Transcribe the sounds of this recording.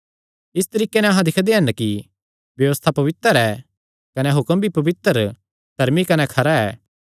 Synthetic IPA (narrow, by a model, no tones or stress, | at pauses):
ɪst̪ɐɾiːkenɛɐɦãd̪ɪkʰd̪eɦɐnki | bjɐʋəst̪ʰapɐʋɪt̪əɾɛː | kɐnɛɦʊkəmbʱipɐʋɪt̪əɾ | d̪ʱɐɾmikɐnɛkʰɐɾaɛː